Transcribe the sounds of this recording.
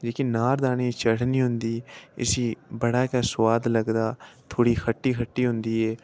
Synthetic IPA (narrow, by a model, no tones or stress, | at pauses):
d͡ʒeːkinaːɾd̪aːniːt͡ʃəɽniːɦʊnd̪iːɪ̰siːbəɽaːkaːsʋaːd̪ləɡd̪aːt̪ʰoːɽiːkʰəʈːiːkʰəʈːiːɦʊ̃nd̪iːɛː